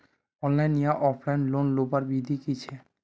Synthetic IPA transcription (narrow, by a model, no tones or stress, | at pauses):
ɔnlajnːijaʔɔpʰlajnlonlobaɾbid̪ʱikit͡ɕʰe